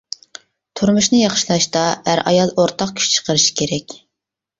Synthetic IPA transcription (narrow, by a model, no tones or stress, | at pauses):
t̪ʰuɾmuʃnɨjɑχʃlˠɑʃt̪ɑæɾʔɑ̰jɑlˠoɾt̪ʰɑq̚kʲʰy̥ʃt͡ʃʰə̥qəɾɨʃi̥kʲʰeɾɛkʲ